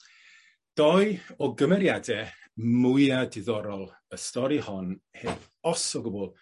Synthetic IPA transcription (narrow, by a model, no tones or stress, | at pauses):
d̥ɔɨɔɡəmɛɾjadɛmʊɨadɪðɔɾɔlˠ | əstɔɾihɔnhev | ɔsɔɡʊbɔlˠ